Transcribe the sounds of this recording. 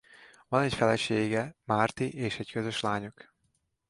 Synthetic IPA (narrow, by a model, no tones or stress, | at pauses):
vɒnɛcfɛlɛʃeːɡɛmaːrt̪iʔeːʃɛckøzø̞ʃlaːɲuk